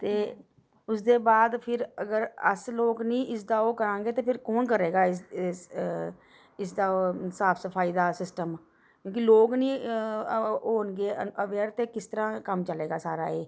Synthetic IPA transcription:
t̪eː | ʊs̬d̪eːbaːd̪pʰɪɾəɡəɾə̰sloːknĩːʔɪs̬d̪aːoːkəɾãːŋɡeːt̪eːpʰɪɾkoːnkəɾeːɡaːɪs | ɪsd̪aːosaːpʰsəpʰaːiːd̪aːsɪsʈəm | kjõːkiloːɡnĩː | oːnɡeːəəʋɛːɾt̪eːkɪst̪əɾãːkəmt͡ʃəleːɡaːsaːɾa̰ːeː

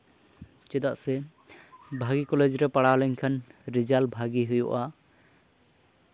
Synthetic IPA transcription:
t͡ʃɛd̪aʔsɛ | bʱaɡikɔled͡ʒɾɛpaɽawlɛɲkʰanɾid͡ʒalbʱaɡiɦujṵʔa

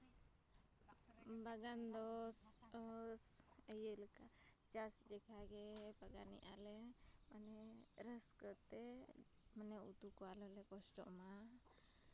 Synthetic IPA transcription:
baɡand̪ɔs | səjəlka | t͡ʃasd͡ʒɛkʰaɡɛbaɡanḭʔalɛmanɛɾəskət̪ɛ | manɛut̪ukɔalɔlɛkɔsʈɔ̰ʔma

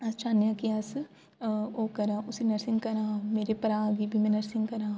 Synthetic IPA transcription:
ɐst͡ʃʰaːnjaːkiaːs | oːkɐɾaːʊsinɐɾsɪ̃ŋɡkɐɾãːmeːɾepɐɾaːɡibʱimɛ̃nɐɾsɪ̃ŋɡkɐɾãː

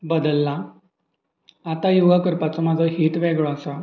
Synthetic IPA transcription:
bəd̪əlːa | t̪ajuɡakəɾpat͡sɔmad͡zʱɔɦiːt̪ʋeɡɭɔasa

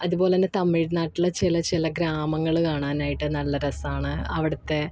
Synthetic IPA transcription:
ɐðubo̞ːlenːet̪ɐmːijɽnaːʈːilːɐt͡ɕilɐt͡ɕilɐɡɾaːmɐŋːɐɭɨkaːɳaːnaːjiʈːɨnɐlːɐɾɐsaːɳɨɐʋiɽɐt̪ːe̞

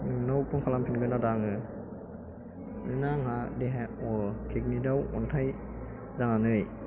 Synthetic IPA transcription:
nɯŋnawpɯŋkʰalampʰinɡɯnadaŋɯ | nɯnaŋɦadeɦaɔkʰek̚nidawɔ̰ntʰaj | zaŋanɯj

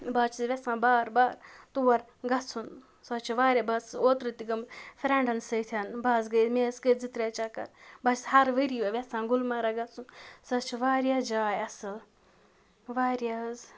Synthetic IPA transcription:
baːt͡ʃʰizʋʲɛsãːbaːɾbaːɾt̪uʋɐɾ | ɡɐt͡sʰun | sɐt͡ʃʰiʋaːɾʲjabat͡soːt̪ɾɨt̪iɡɐmfʲɾeɳɖɐnsɐt̪ʰjaːnbaːzɡɐjzmeːsɡəzit̪ɾʲeːt͡ʃakɐ̰ɾbɐt͡ʃishɐɾʋəɾiɐʋʲesãːɡulmaɾaɡɐt͡sʰunsɐt͡ʃʰiʋaːɾjaːd͡ʒaːjɐsɨ | ʋaːɾjaz

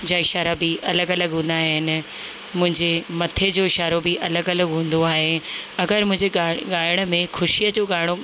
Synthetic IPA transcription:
d͡ʑaːɪʃaːɾabɪʔɐləɡɐləɡɦũːn̆d̪aːɦɪnɪ̆ | mʊ̃ɦɪ̃ɲd͡ʑemɐt̪ʰed͡ʑoːɪʃaːɾobɪʔɐləɡɐləɡɦũːn̆d̪oaːɦeɐɡəɾmʊ̃ɦɪ̃ɲd͡ʑeɡaːɪɽ̃mẽxʊʃijəd͡ʑoːɡaːɪɽ̃o

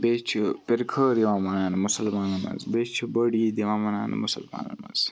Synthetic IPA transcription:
bet͡ʃʰipɪɾkʰəɾiʋãːmɐnaːnmʊsɐlmaːnɐmɐ̰nzbet͡ʃʰibəɽiːd̪iʋãːmɐna̰ːnmʊsɐlma̰ːnɐ̰nɐ̰nz

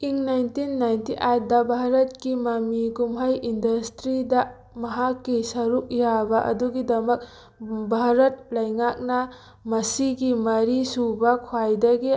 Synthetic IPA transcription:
iŋnajntinːajntiʔajt̚dɐbʱaɾɐt̚kimɐmiɡumɦɐjindɐstɾidɐ | mɐɦakːisɐɾuk̚jabɐʔɐ̰duɡidɐmɐk̚ | bʱaɾɐt̚lɐjŋak̚nɐ | mɐsiɡimɐɾisubɐkʰwajdɐɡi

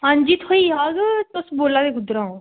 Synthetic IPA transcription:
ɦãːɲd͡ʒiːt̪ɦoiːaːɡt̪ʊsboːlãːd̪eːɡʱʊd̪ɾãːõː

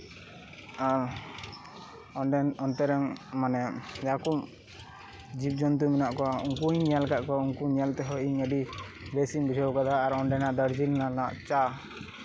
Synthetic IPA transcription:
aɾ | ɔnɖɛnɔnt̪ɛɾaŋmanɛjakum | d͡ʒip̚d͡ʒɔnt̪̬uminaʔkɔuŋkuɲɲialkaʔkɔuŋkuɲialt̪ɛɦɔiɲəɖi | besimbid͡ʒɔwkad̪aːɾɔɳɖɛnaʔd̪əɾd͡ʒilnanaʔt͡ʃa

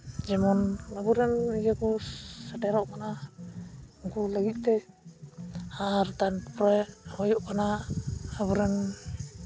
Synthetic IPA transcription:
d͡ʒɛmɔnabuɾɛniɡakusaʈɛɾɔʔkana | ɔŋkulaɡit̪̚ˀt̪ɛ | aɾt̪anpɾɛhɔjɔʔkanaaβuɾɛn

